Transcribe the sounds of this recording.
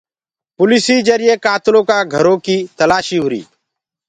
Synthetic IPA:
pʊlɪːsiːzəɾɪjeːkaːt̪lõːkaːɡʱəɾõːkiːt̪əlaːʃiːɦʊɾḭː

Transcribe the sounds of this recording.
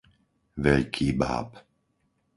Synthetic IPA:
ʋɛʎkʰiːba̰ːp

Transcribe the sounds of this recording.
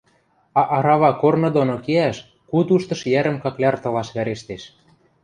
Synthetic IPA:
ɑʔɑɾɑβɑkornɤ̆d̪onokeæʃ | kut̪uʃt̪ɤ̆ʃjæɾə̆mkɑklʲɑrt̪ɤ̆lɑʃβæɾeʃt̪eʃ

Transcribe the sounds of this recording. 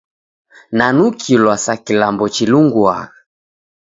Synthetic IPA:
nanukʰilwasakilambɔt͡ʃiluŋɡwa̰

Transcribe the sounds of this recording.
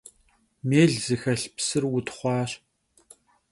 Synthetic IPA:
meːɮzɨxɐɬpsɨrwʊtχʷɑːɕ

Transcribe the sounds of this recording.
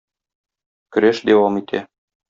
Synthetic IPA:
kɵ̆ɾæʃd̪æwɑmit̪ʰæ̰

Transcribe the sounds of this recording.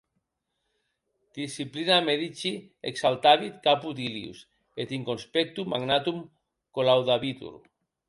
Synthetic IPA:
d̪̥isiplinameðit͡ʃi | ḛksalt̪aβit̪kaput̪iliṵs | et̪iŋkonspek̚t̪umaɡnat̪um | kolawðaβit̪ṵɾ

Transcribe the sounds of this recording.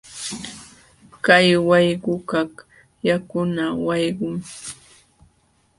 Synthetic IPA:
kajwɑjɢʊkak | jakʊnawɑjɢʊŋ

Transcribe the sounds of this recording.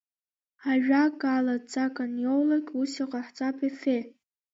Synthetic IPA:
aʒᶣaɡalad͡zakʼanjowlakʲʼusiqʼaħt͡sʼapʰʼefe

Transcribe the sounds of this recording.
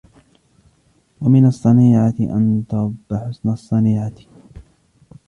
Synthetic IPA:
wamɪnɑsˤːɑniːʕat̪ɪʔa̰nt̪ɑɾˤbːaħʊsnasˤːɑniːʕat̪

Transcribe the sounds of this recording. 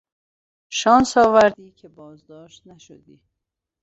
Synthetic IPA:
ʃɒːnsɒːvæɾd̪iːcʰebɒːzd̪ɒːʃt̪næʃo̰d̪iː

